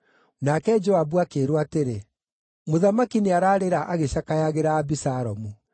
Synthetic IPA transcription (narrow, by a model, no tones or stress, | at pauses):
nakɛd͡ʒɔabuakeɾwateɾe | moðamakineaɾaːɾeɾaʔaɣeɕakajaɣeɾaːbisaɾɔmu